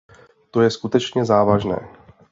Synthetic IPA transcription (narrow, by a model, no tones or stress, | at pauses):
t̪o̞jɛskut̪ɛt͡ʃɲɛzaːvaʒnɛ̰ː